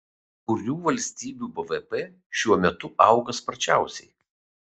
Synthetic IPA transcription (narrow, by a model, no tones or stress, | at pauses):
kʊɾʲuːʋɐlʲsʲt̪ʲiːbʲuːbɛʋɛpeː | ʃʲuɔmʲɛt̪ʊʔɑˑʊɡɐspɐɾʲt͡ʃʲæˑʊsʲɛɪ